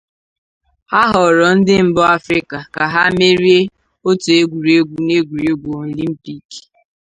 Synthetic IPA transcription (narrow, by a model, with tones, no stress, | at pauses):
a˦ɦɔ˨ɾɔ˨n̩˦dɪ˦m̩˨bɔ˦a˦fɾi˦ka˨ka˨ɦa˦me˦ɾi˦e˦ | o˦to˨e˦ɡʷu˨ɾi˨e˦ɡʷu˨ne˦ɡʷu˨ɾe˦ɡʷu˨o˨li˦m̩˦pi˦k